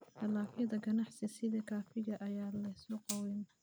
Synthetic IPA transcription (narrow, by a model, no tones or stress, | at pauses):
tʰɐlaːfjɐðɐɡɐnɑħsɪsɪðɐkʰaːfɪɣɐʔɐjaːlɐjsɔqɑwɛn